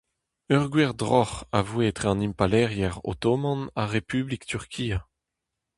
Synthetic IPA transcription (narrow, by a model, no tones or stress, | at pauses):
œʁɡwɛʁd̪ʁɔχavwet̪χeɑ̃nimpalɛʁjɛʁo̰t̪omɑ̃naʁepyblikt̪yʁkʰiːa